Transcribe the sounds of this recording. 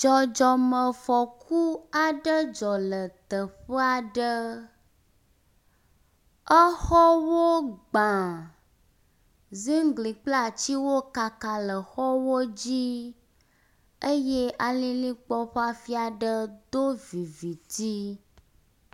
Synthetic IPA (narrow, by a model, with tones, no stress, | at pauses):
d͡ʒɔ˨d͡ʒɔ˨mə̃˨fɔ˨kʰu˦a˨ɖə˦d͡ʒɔ˨lə˨t̪ə˨ɸə˦a˨ɖə˦ | ə˦xɔ˦wo˦ɡ͡bã˨ | zi˦ŋ˦ɡ͡bli˨k͡pla˦˨t͡ɕi˦wo˦ka˨ka˨lə˨xɔ˦wo˦d͡ʑi˦ | ə˦je˦ʔa˨lĩ˦lĩ˦k͡pɔ˦ɸa˦fi˦a˨ɖə˦d̪o˦vi˨vi˨t̪i˦